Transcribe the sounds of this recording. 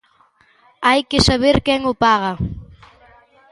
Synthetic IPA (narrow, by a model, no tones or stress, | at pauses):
ajkɪsaβeɾkɛŋʊpaɣɐ